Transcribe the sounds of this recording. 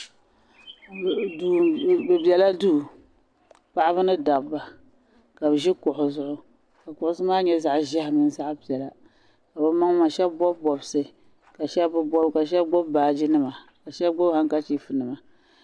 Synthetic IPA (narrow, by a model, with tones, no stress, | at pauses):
du˨bɨ˨bjɛ˨la˦du˦˨ | pa˦ʔa˦bɨ˦nɨ˦da˨bba˨ | ka˨bʒi˦kʊ˨ʔʊ˨zʊ˨ʔʊ˦ | ka˨kʊ˨ʔʊ˦sɨ˦maː˦ɲɛ˦za˨ʔʒɛ˦hmɨ˨n˦za˦ʔpi˨ɛ˨la˨ | ka˨bɨ˦ma˦ŋ˦ma˨ʃɛ˦bbɔ˦bbɔ˨bsɨ˨ | ka˨ʃɛ˦bbɨ˦bɔ˦bka˨ʃɛ˦bɡ͡bɔ˦bbaː˨d͡ʒi˦nɨ˦ma˨ka˨ʃɛ˦bɡ͡bɔ˦bha˦ŋka˦t͡ʃi˨fɨ˨nɨ˨ma˨